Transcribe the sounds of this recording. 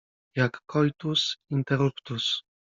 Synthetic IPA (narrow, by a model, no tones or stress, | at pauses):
jakːɔjt̪usint̪eɾupt̪us